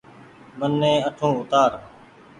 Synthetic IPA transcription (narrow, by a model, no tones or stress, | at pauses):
mənːẽːəʈʰõːʊt̪aːɾ